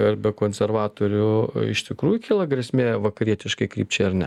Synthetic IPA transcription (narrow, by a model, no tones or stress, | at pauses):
ɪrbʲɛkoːnʲsʲɛrʋɑːt̪oːɾʲʊɪ̰ʃt̪ʲɪkɾuːjʊkʲiːlˠɐɡɾʲɛsʲmʲeːʋɐkɐɾʲiɛt̪ʲɪʃkɐɪkɾʲḭːp̚ʲt͡ʃʲɛɪrnʲɛ̰